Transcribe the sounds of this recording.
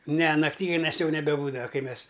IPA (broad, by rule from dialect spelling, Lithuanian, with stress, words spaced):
nʲɛ nɐˈktʲiːɡʊnʲɛs ˈjɛʊ nʲɛbʲɛˈbuːdɐʋɐ ˈkɐɪ ˈmʲɛs